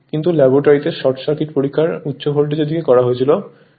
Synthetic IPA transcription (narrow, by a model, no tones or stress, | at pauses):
kint̪ulɛboʈaɾit̪eɾʃɔʈʃakʰiɾpoɾikʰːaɾutːɕobʱolʈ̬id͡ʑod̪ikekɔɾaɦoet͡ɕʰilo